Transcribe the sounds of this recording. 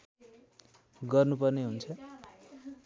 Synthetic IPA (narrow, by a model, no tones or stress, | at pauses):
ɡʌrnupʌrneɦunt͡sʰʌ